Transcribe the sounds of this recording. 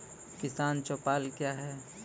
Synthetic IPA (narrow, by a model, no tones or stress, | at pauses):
kɪsaːnt͡ʃɔːpaːlkjaːɦɛː